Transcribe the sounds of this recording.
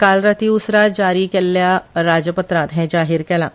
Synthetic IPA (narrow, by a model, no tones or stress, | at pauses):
kalɾət̪iusɾad͡ʒaɾiːkɛlːjaɾad͡ʑjəpət̪ɾãt̪ɦɛ̃d͡ʒaɦiːɾkɛlã̰